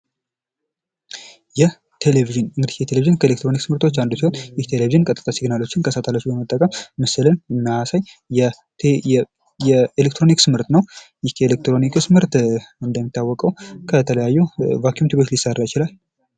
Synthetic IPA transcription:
jɛ | t̪ʰe̞leviʒɨnɨŋɡɨd̪ijɛt̪ʰe̞leviʒɨnkʰəelek̚t̪ɾo̞niksmɨɾt̪ʰo̞t͡ʃːand̪usiho̞njɪht̪ʰe̞leviʒɨnkʼət̪ʼɨt̪ʰʼːasiɡnalo̞t͡ʃːɪnkʰəsat̪ʰalot͡ʃːubəmət̪ʼːəkʼəmːəsɨlənɨnːahasaɲ | jɛelekt̪ɾo̞niksɨmɨɾt̪nəwjɪhkelek̚t̪ɾo̞nikʰsmɨɾt̪ɨnd̪əmːit̪ːawːɔkʼəwkʰət̪ʰələjajːuvakjumt̪ibo̞t͡ʃːlisːarːajɪt͡ʃɪlal

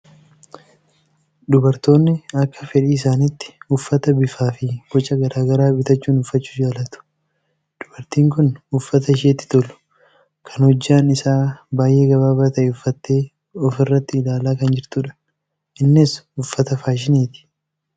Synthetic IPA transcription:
d̪ʊbɐɾt̪o̞ːnːɪɐkːɐ̥fɛᶑiːɪsaːnɪt̪ːɪ̥ʊfːɐt̪ɐbɪfaːfɪɡɔt͡ʃʼːɐɡɐɾaːɡɐɾaːbɪt̪ɐt͡ʃːuːnʊfːɐt͡ʃːu̥ːd͡ʒaːlɐt̪ʊ̥ | d̪̥ʊbɐɾt̪iːŋkʊnʊfːɐt̪ɐɪʃeːt̪ːɪ̥t̪ɔlʊ̥ | kʰɐnhɔd͡ʒːaːnɪsaːbaːjʔe̞ːɡɐβaːbɾt̪ɐʔɛʊfːɐt̪ːe̞ː | ɔfɪrːɐt̪ːɪːlaːlaːkɐnd͡ʒɪɾt̪uːᶑɐ̥ | ɪnːɪsʊfːɐt̪ɐfaːʃ̬ɪniːt̪ɪ̥

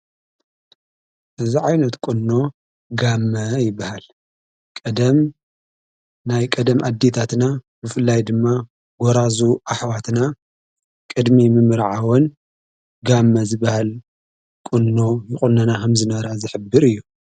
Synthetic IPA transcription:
ʔɨziʕajnɐt̪kʼunːo̞ | ɡamːɐjɪbːahal | kʼɐd̪ɐm | najkʼɐd̪ɐmʔad̪ːet̪ʰat̪na | bɨfɨlːajd̪ɨmːa | ɡɔɾazuʔaħwat̪na | kʼɨd̪mimɨmɨɾʕawɔn | ɡamːɐzɨbahal | kʼunːo̞jɪχʼʊnːɐnakʰɐmzɨnɐɾazɨħɨbːɨɾɨjːu

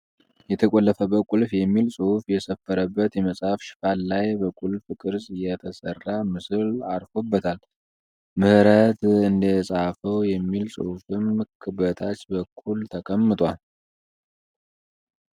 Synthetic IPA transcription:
jɛt̪ʰəkʼolːəfəbəkʼulfjɛmːilsʼɨhufjɛsəfːəɾəbːət̪jɛməsʼhafʃɪ̥fallajbəkʼulfɨkʼɨɾzʼjɛt̪ʰəsərːamɨsɨlaɾfobːət̪ʰal | mɨhɾət̪ɨnd̪əsʼafəwjɛmːilsʼɨ̰hufɨmːɨkʰɨbət̪ʰat͡ʃbəkʰːult̪ʰəkʼəmːɨt̪ʼwal

